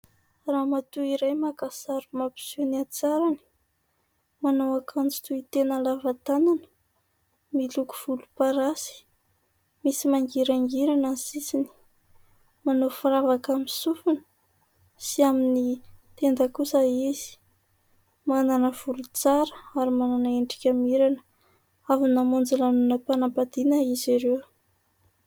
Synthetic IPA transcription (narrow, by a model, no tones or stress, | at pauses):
ramat̪uiɾajmakasaɾumapi̥sunat͡saɾani̥ | manowakʰand͡zi̥t̪uit̪enəlavat̪ananə̥ | miluku̥v̥ulupaɾasi̥ | misimaŋɡiɾaŋɡiɾanazisini̥ | manofɾavakamisufunə̥ | siaminit̪end̪əkusəiz̥i̥ | mananəv̥ulut͡saɾəaɾimananaeɳɖ͡ʐi̥kʲamiɾanə | avunamond͡zalanunəpanabad̪̥inəiziɾew